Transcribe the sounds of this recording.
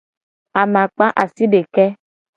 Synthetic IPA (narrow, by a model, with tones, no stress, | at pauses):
a˨mã˨k͡pa˦ʔa˨si˦ɖe˨kɛ˦